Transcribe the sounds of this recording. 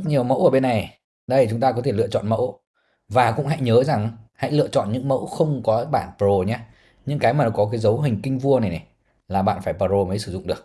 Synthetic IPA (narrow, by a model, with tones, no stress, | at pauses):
t̚ɲi˨˩əwmə̰˧˥wʔəː˧˩ɓe˧nːa˨˩j | ɗə˧jt͡ɕʊ˨˦ŋ͡mt̪aː˧kɔ˨˦e˧˩lɨ̰˧˨ət͡ɕɔ̰˧˨nmə̰˧˥w | vaː˨˩kʊ̰˧˥ŋ͡mɦa̰˧˥jɲəː˨˦za˨˩ŋha̰˧˥jlɨ̰˧˨ət͡ɕɔ̰˧˨nɲɨ̰˧˥ŋmə̰˧˥wxə˧wŋ͡mkɔ˨˦ɓaː˧˩˨npə˧˨o˧˩ɲaː˧ | ɲɨ̰˧ŋkaː˨˦jmaː˨˩nɔ˨˦˥kɔ˨˦kaː˨˦jzə˨˦wɦï˨˩ŋ̟kï˧ŋ̟vu˧əna˨˩jna˨˩j | laː˨˩ɓa̰ː˧˨nfaː˧˩jpəː˧˩zo˧məː˨˦jsɨ˧˩zʊ̰˧˨ŋ͡mɗɨ˨˩ək̚